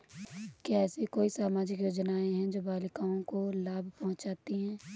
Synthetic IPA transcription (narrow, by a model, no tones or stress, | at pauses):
kiɛːsikoːisaːmaːd͡ʒɪkjoːd͡ʒnaːẽɦɛ̃d͡ʒoːbaːlɪkaːõkolaːbʱpɔɦʊ̃d͡ʒaːt̪iɦɛ̃ː